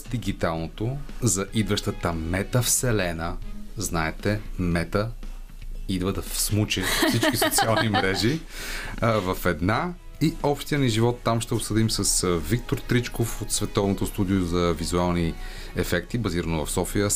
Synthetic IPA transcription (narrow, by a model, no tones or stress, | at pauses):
sd̪iɡit̪alˠnot̪ozɐʔid̪vɐʃt̪ət̪əmɛt̪əfsɛlɛnəznaɛt̪ɛmɛt̪ə | id̪vəd̪ɐfsmut͡ʃɛssit͡ʃ̪kisot̪sialˠnimɾɛʒi | vɐfɛd̪na | iɔpʃt̪ijəniʒivɔt̪ːamʃt̪ɛopsɤd̪imsɐsvik̚t̪oɾt̪ɾit͡ʃkofot̪svɛt̪ɔvnot̪ost̪ud̪iozɐvizualˠni | ɛfɛkt̪ibɐziɾənovɐfsɔfijə